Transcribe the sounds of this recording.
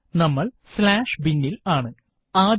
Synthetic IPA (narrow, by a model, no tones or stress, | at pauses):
nɐmːɐɭslaːʂbinːilaːɳɨ | aːd̪